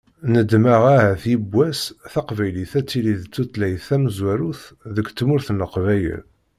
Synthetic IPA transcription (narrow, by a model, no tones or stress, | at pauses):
nəd̪maʁæɦæθjəbːæsθɑqvæjliθæt͡sːiliðt͡sːut̪læjθæməzwæɾuθðəkt̪ːmʊɾθənːəqvæjə̰l